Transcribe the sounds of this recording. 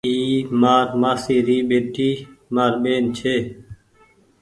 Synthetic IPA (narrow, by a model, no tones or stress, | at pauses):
iːmaːɾmaːsiːɾiːɓeːʈiːmaːɾɓeːnt͡ʃʰeː